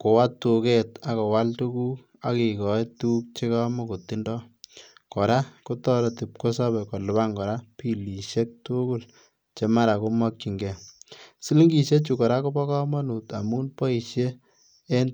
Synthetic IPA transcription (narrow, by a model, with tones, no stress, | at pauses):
ko˨wa˦tːu˨ke˦ta˦kɔ˨wa˦ltu˦ku˦ | a˨ki˨kɔ˨e˦tu˦k̚t͡ʃe˦ka˦mɔ˦ko˨tːi˦ndɔ˦kɔ˨ɾa˦ko˦tɔ˦ɾɔ˨ti˨p̚ko˦sa˦bɛ˨kɔ˨lʊ˨ba˦ŋɡɔ˨ɾa˦pi˦li˨ʃe˦k̚tu˦ku˦l | t͡ʃe˦ma˦ɾa˨ko˦mɔ˦k̚t͡ʃi˨ŋɡɛ˨si˦li˦ŋɡi˨ʃe˦t͡ʃu˨kɔ˨ɾa˦ko˦bɔ˦kɔ˦ma˦nu˨ta˨mu˦npɔ˦i˨ʃjeː˦ | n